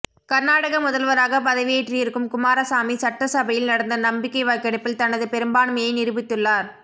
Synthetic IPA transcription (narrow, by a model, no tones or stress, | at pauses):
kɐɾnaːɽɐɣɐmʊðɐlʋɐɾaːɣɐpɐðɐʋɪjeːʈriɪɾɯkːɯmkʊmaːɾɐsaːmisɐʈrɐsɐbɐjɪlnɐɽɐnd̪ɐnɐmbɪkːɐɪʋaːjkːɐɽɐpːɪlt̪ɐnɐðɯpɛɾɯmbaːɳmɐjɐɪnɪɾɯbɪt̪ːɯɭːaːɾ